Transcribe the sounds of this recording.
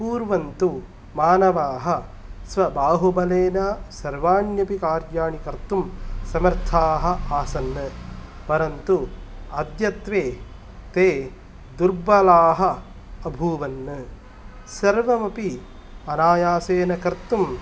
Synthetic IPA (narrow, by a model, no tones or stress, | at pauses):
puːɾʋɐnt̪u | maːnɐʋaːɦɐ | sʋɐbaːɦubɐleːnɐsɐɾʋaːnjɐpikaːɾd͡ʒaːɳikɐɾt̪umsɐmɐɾt̪ʰaːɦɐ̆aːsɐnːɨ | pɐɾɐnt̪uɐd̪jɐt̪ʋeː | t̪eː | d̪uɾbɐlaːɦɐ̆ | ɐbʱuːʋɐnːɨ | sɐɾʋɐmɐpi | ɐnaːjaːseːnɐkɐɾt̪um